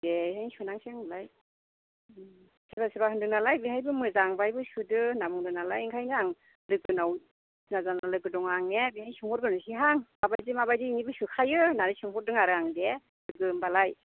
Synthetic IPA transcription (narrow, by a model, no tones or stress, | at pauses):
bebiɦajnsunaŋseŋmɯlaj | sibasibahɯndɯnalajbiɦajbɯmɯzaŋbajbɯsudɯnamɯŋdɯnalajiŋkʰajnaŋ | lɯɡɯnaw | nazanalɯɡɯdɔŋaŋebihajsɯŋhɔɾɡɯnɯsiɦaŋmabajdimabajdiiŋibɯsukʰajɯnanɯsɯŋhɔɾ̚dɯŋaɾɯaŋde | lɯɡɯbalaj